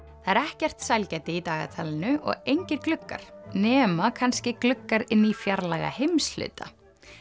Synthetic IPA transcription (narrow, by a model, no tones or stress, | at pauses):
θaɛɾɛhcɛr̥t̪sajlcɛjt̪ɪit̪aːɣa̰t̪ʰaːlɪnʏʔɔ̰ɣejɲcɪɾklʏkːa̰ɾ̥nɛːmakʰanscɪklʏkːaɾɪnːifjaɾlaɣa̰hejmslʏ̰ːt̪ʰa̰